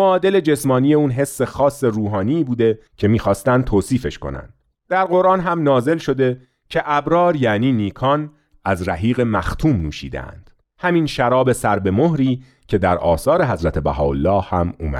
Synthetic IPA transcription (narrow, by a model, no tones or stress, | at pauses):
moɒːd̪e̞le̞d͡ʒe̞smɒːniːje̞uːnɦe̞sːe̞xɒːsːe̞ɾuːɦɒːniːbuːd̪e̞ | cʰe̞miːxɒːst̪ænd̪̚t̪ʰoːsiːfe̞ʃko̞̰næ̰nd̪̥ | d̪̥æɾɢo̞ɾʔɑːnɦæmnɒːze̞lʃo̞d̪e̞ | cʰe̞ʔæbɾɒːɾjæniːniːkʰɒːn | æzɾæ̰ɦiːɣe̞mæxt̪ʰuːmnuːʃḭːd̪ḛʔæ̰nd̪̥ | hæminʃæɾɒːbe̞sæɾbe̞moɦɾiː | cʰe̞d̪æɾɒːsɒːɾe̞ɦæzɾæt̪ʰe̞bæ̰ɦɒ̰ːolːɒːhːæmṵːmæ̰̥